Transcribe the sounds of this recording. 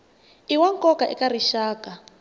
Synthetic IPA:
iwaŋkʼɔkaʔɛ̰kariʃaːka

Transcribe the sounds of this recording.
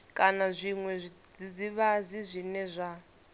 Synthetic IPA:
kʼanazʷiŋwɛd͡zid͡ziβazizʷinɛzʷa

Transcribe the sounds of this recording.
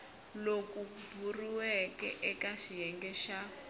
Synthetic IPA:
lokubʱuriwɛkɛ̰ʔɛkaʃijɛŋɡɛʃa

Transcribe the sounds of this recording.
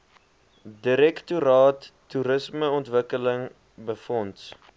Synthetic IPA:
diɾɛktuɾɑːtːuɾəsməɔntvəkələŋ | bəfɔnt

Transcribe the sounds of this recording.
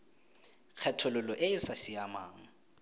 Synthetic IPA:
k͡xʰɛtʰʊlʊlɔʔɪɪsasɪamaːŋ̩

